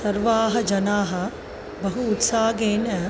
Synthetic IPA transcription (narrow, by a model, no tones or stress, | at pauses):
sɐɾʋaːɦɐ̆d͡ʒɐnaːɦɐ̆ | bɐɦuːt̪saːɡeːnɐ